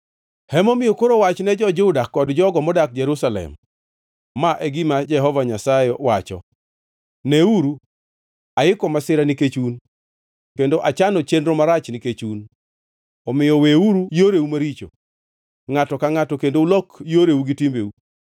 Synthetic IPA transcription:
hɛmɔmɪjokoɾowat͡ʃnɛd͡ʒɔd͡ʒʊdakɔdd͡ʒɔɡɔmɔdak̚d͡ʒɛɾusalɛ̰mː | aʔɛɡɪmad͡ʒɛɦɔvaɲasaɪwat͡ʃɔ̰ | nɛuɾu | aɪkɔmasɪɾaniket͡ʃun | kendoʔat͡ʃanɔt͡ʃendɾomaɾat͡ʃniket͡ʃun | ɔmɪjɔweuɾujoɾeumaɾit͡ʃo̰ | ŋatɔkaŋatɔkendoulɔkjoɾeuɡitimbeu

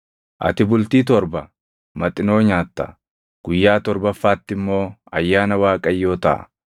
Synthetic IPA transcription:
ʔɐ̰t̪ɪbʊlt̪iːt̪ɔɾbɐ | mɐt̪ʼɪno̞ːɲaːt̪ːɐ̰ | ɡ̥ʊjːaːt̪ɔɾbɐfːaːt̪ːɪmːo̞ːɐjːaːnɐwaːkʼɐjːo̞ːt̪ɐ̰ʔɐ̰

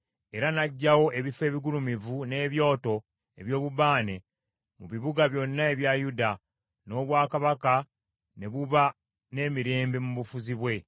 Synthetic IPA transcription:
e̞ɾanaɟːawo̞ʔe̞βife̞ːβiɡulumivune̞ːβjo̞ːto̞ | e̞βjo̞ːβuβaːne̞ | muβiβuɡaβjo̞nːae̞βjajuda | no̞ːβwaːkaβaka | ne̞βuβa | ne̞ːmiɾe̞ːmbemuβufuziβwe̞

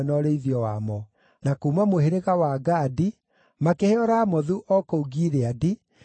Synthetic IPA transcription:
nɔɾeiðjɔwamɔ | nakuːmamoheɾeɣawaɡaːdi | makeheɔɾaːmɔðuʔɔkouɡiɾeadi

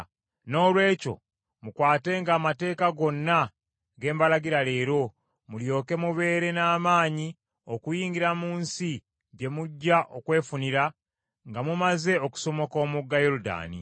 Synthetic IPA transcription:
no̞ːlwe̞ːco̞̰ | mukwaːte̞ŋɡaːmate̞ːkaɡo̞nːa | ɡe̞ːmbalaɡiɾale̞ːɾo̞ | muljo̞ːke̞muβe̞ːɾe̞naːmaːɲi | o̞kujiːŋɡiɾamuːnsi | ɟe̞muɟːaʔo̞kwe̞ːfuniɾa | ŋɡamumaze̞oku̥so̞mo̞ko̞ːmuɡːajoɾuda̰ːnḭ

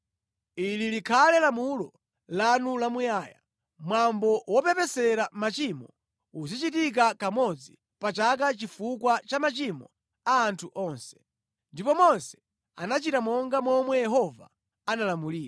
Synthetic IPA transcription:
ililikʰalɛlamulɔ | lanulamujaːja̰ | mwambɔwɔpɛpɛsɛɾamat͡ʃimɔ̰ | uzit͡ʃitik̬akamɔd͡zi | pat͡ʃak̬at͡ʃifukwat͡ʃamat͡ʃimɔ | aːntʰuʔɔnsɛ̥ | ndipɔmɔnsɛ̥ | a̰nat͡ʃitamɔŋɡamɔmwɛjɛɦɔva̰ | analamuliːɾa

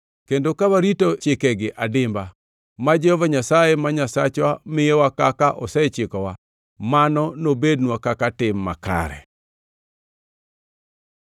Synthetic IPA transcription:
kendokawaɾitot͡ʃɪkɛɡɪʔadɪmba | mad͡ʒɛhɔvaɲasajemaɲasat͡ʃwamɪjewakakaʔɔsɛt͡ʃɪkɔwa | manɔnobednwakakatɪmːa̰ka̰ɾɛ̰

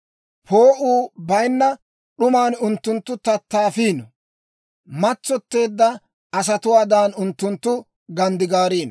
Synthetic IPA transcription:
pʰo̞ːʔuːbɐjnːɐ | ɗʊmaːnʊnt̪ːʊnt̪ːʊt̪ɐt̪ːaːfiːnɔ | mɐt͡sːɔt̪ːe̞ːd̪ːɐ | ɐs̬ɐt̪ʊwaːd̪aːnʊnt̪ːʊnt̪ːʊ | ɡɐnd̪ɪɡaːɾiːnɔ

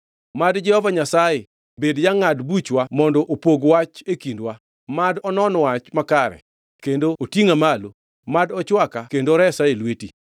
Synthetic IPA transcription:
madd͡ʒɛhɔvaɲasaje | bedjaŋadbut͡ʃwamɔndɔʔopoɡwat͡ʃekindwa | madɔnɔnwat͡ʃmakaɾɛ̰ | kendootiŋamalo | madɔt͡ʃwakakendoɾɛsaelweti

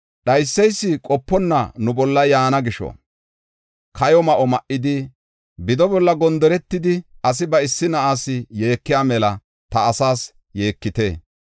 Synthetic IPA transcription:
ɗɐjsːɛjsːɪkʼɔpːɔnːɐ̰nʊbɔlːɐjaːnɐɡɪʃɔ̰ | kɐjɔmɐʔɔmɐʔɪd̪ɪ | bɪd̪ɔbɔlːɐɡɔnd̪ɔɾɛt̪ːɪd̪ɪɐs̬ɪbɐɪsːɪnɐʔaːsɪje̞ːkːɪjaːmɛlɐ | t̪ɐːsaːs | je̞ːkːɪt̪e̞ː

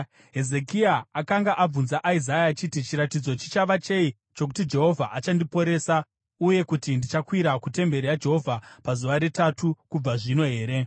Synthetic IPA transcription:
ɦe̞ze̞kiaːkaŋɡaʔab͡vunzaʔaizajaːt͡ʃitit͡ʃiɾatid͡zo̞t͡ʃi̥t͡ʃaʋat͡ʃe̞i | t͡ʃo̞k̬u̥tid͡ʒe̞ɦo̞vʱaʔat͡ʃandipo̞ɾe̞ːsa | uje̞kutindit͡ʃakwiɾakute̞mbe̞ɾijad͡ʒe̞ɦo̞vʱapazuʋaɾe̞tatukub͡vaʐino̞ɦe̞ːɾe̞

